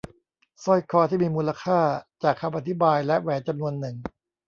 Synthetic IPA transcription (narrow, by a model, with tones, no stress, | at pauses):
sɔ˥˩jkʰɔː˧t̪ʰiː˥˩miː˧muː˧la˧kʰaː˥˩t͡ɕaː˨˩kʰːa˧mʔa˧t̪ʰi˦˥baː˧jlɛ˦˥ʔwɛː˩˦nt͡ɕa˧mnu˧ənːɯ˨˩ŋ